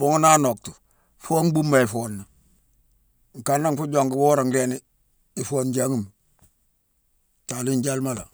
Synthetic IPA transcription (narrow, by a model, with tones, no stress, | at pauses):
u˨˦ŋ˦na˦no˨k̚tu̥˨ | fo˦ŋbu˦mːa˨i˨fo˨nːa˨ | ŋ˨ka˨nːa˦ŋfu˦ɟo˨ŋɡwo˦ɾa˨ŋɡe˦ni˦ | i˨fo˨nd͡ʒa˦ŋi˦˨m | ta˨li˦ɲɟa˦lma˦la̰˨